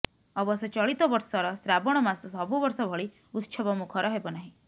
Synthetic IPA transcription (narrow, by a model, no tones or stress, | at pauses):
ɔbɔsɔt͡ʃɔɭit̪ɔbɔɾsɔɾɔsɾabɔɽ̃ɔmasɔsɔbubɔɾsɔbʱɔɭi | ut̪ːʃʰɔbɔmukʰɔɾɔɦebɔnaɦĩ